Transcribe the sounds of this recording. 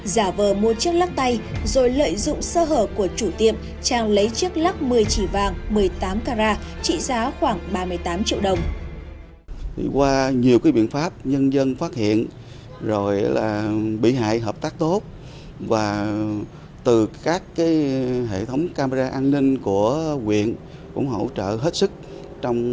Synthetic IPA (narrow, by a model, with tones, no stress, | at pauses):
zaː˧˩vəː˨˩mu˨˩ət͡ɕi˦˥ək̚la˦˥k̚t̪a˧jzo˨˩jlə̰ː˧˨jzʊ̰˧˨ŋ͡msəː˧ɦəː˧˩p̚ku˧˩ət͡ɕu˧˩t̪ḭ˧˨əm | t͡ɕaː˧ŋlə˨˦jt͡ɕi˦˥ək̚la˦˥k̚mɨ˨˩əjt͡ɕi˧˩vaː˨˩ŋmɨ˨˩əjt̪aː˨˦mkaː˧zaː˧t͡ɕḭ˧˨zaː˨˦xwaː˧˩ŋɓaː˧mɨ˧˩əjt̪aː˨˦mt͡ɕḭ˧əwɗə˨˩wŋ͡m | t̪ʰḭ˨˩kwaː˧ɲi˨˩əwkaː˨˦jɓḭ˧˨ənfaː˦˥p̚ɲə˧nzə˧nfaː˦˥t̚hḭ˧˨ən | zo˨˩jlaː˨˩ɓḭ˧˨ɦa̰ː˧˨jɦəː˨˩p̚t̪aː˦˥k̚t̪o˦˥t̚ | vaː˨˩ | t̪ɨ˨˩kaː˦˥kːaː˨˦jɦḛ˧˨t̪ʰə˨˦wŋ͡mkaː˧ma˧zaː˧ʔaː˧nnï˧ŋ̟ku˧˩əkwḭ˧˨ən | kʊ̰˧˥ŋ͡mɦə̰˧˨wt͡ɕə̰ː˧˨ɦe˦˥t̚sɨ˦˥k̚ | t͡ɕɔ˧wŋ͡m